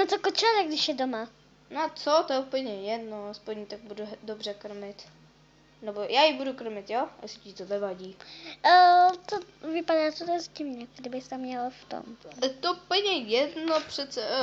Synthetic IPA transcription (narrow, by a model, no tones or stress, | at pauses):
nat͡sokot͡ʃaaɾaɡdɪʃjɛdoma | nat͡sot̪ojɛupl̩ɲɛjɛdnoaspoɲit̪aɡ̚bududobrɛkr̩mɪt̪ | nɛbojaːjibudukr̩mɪt̪joɛ̰sɪ̥cit̪onɛvaɟiː | tovɪpadaːt͡sot̪ɛɛzɟɪvɲɛɡdɪbɪst̪amɲɛlaft̪o̰mt̪oupl̩ɲɛjɛdnopr̥ɛt̪t͡sɛ